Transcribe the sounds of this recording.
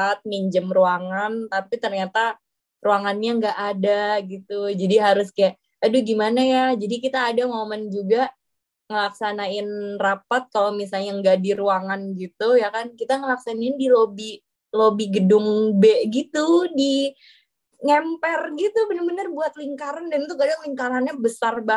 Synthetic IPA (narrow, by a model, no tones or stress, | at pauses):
at̪̚miɲd͡ʒəmruaŋant̪apit̪ərɲat̪a | ruaŋanɲaŋɡaʔadaɡit̪ud͡ʒadiɦaɾʊskajaʔ | aduɡimanajad͡ʒadikit̪aːdaŋomənd͡ʒuɡaʔ | ŋəlaksanaɪnrapat̪̚kalomisalɲaŋɡadiɾuaŋanɡit̪ujakankit̪aŋəlaksanaɪndilobi | lobiɡədʊŋbeʔɡit̪udi | ŋɛmpɛrɡit̪ubənərbənərbuat̪̚liŋkaɾandant̪ukadaŋliŋkaɾanɲabəsarba